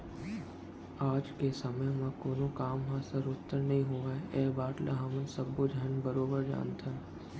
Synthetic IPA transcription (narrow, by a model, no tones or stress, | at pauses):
aːd͡ʒkesɐməjmãkoːnõkaːmɦãsəɾʊt̪ːəɾnɐɦĩɦõːʋəeːbaːʈlʔa̰ɦɐmənsɐbod͡ʒɦənbəɾoːbəɾd͡ʒa̰ːnt̪ʰən